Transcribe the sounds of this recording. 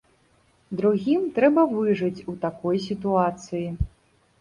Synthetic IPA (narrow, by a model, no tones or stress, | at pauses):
d̪ɾuɣʲimt̪ɾɛbɐvɨʐɨt͡sʲut̪akɔjs̬ʲit̪uat̪sɨji